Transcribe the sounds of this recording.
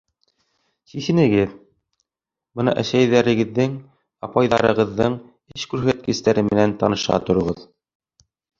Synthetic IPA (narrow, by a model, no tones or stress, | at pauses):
sisɘ̆nɘ̆ɡɘð | bɤnɑ̰ʔæʃæjðæɾɘ̆ɡɘ̆ðːɘŋ | ɑpɑjðɑɾɤ̆ʁɤ̆ðːɤɴ | ɘʃkʉɾɦæt̪̚kɘ̆st̪æɾɘmɘ̆nænt̪ɑnɤ̆ʃqɑ̰t̪ŏɾɤ̆ʁɤð